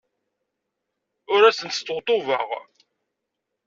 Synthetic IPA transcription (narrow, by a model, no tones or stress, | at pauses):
ʊɾæsənt̪st̪ːʁt̪ˤʊvəʁ